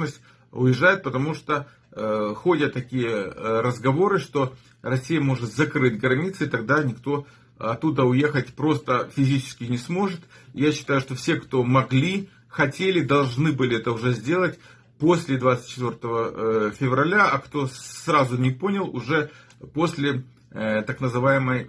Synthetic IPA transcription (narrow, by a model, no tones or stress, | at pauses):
nəsʲtʲ | ʊjɪʐːajɪt̪̚pət̪ɐmuʂt̪o | xo̞dʲət̪ːɐkʲijəɾəzɡɐvo̞ɾɨʂt̪o̞ | rɐsʲːijəmo̞ʐɨt̪zɐkɾɨtʲɡɾɐnʲit̪sɨɪt̪ɐɡd̪anʲɪkt̪o̞ | ɐt̪ːud̪əʊje̞xət̚ʲpɾo̞st̪əfʲɪzʲit͡ɕɪ̥skʲɪnʲɪsmo̞ʐɨt̪ɪjaɕːɪ̥t̪ajʊʂt̪o̞fsʲe̞kt̪o̞mɐɡlʲi | xɐtʲelʲɪd̪ɐlˠʐnɨbɨlʲɪɛt̪əʊʐɛzʲdʲe̞lˠətʲ | posʲlʲɪd̪vat̪sɨ̥t̪̚ʲt͡ɕːɪt̪vʲo̞rt̪əvəfʲɪvrɐlʲaɐkt̪o̞srazʊnʲɪpo̞nʲɪlˠʊʐɛ | po̞sʲlʲɪ | t̪aknəzɨvajɪməj